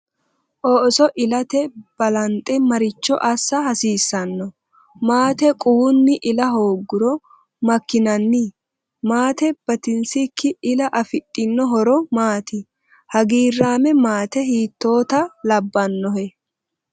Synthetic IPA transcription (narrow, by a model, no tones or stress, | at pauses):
ʔoːʔsɔʔɪlɐt̪ɛb̥ɐlɐnt̪ʼːɛmɐɾɪt͡ʃːɔ̰ʔɐsːɐhɐsiːsːɐnːɔ | maːt̪ɛkʼuːnːɪʔɪlɐɦo̞ːɡːʊɾɔ | mɐkːɪnɐnːi | maːt̪ɛb̥ɐt̪ɪnsɪkʰːɪɪlɐʔɐfɪt̪ʼːɪnːɔɦɔɾɔmaːt̪ɪ | hɐɡiːrːaːmɛmaːt̪ɛhiːt̪ːo̞ːt̪ɐlɐbːɐnːɔhɛ